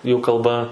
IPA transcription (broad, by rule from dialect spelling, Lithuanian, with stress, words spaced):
juː kɐlˠˈbɐ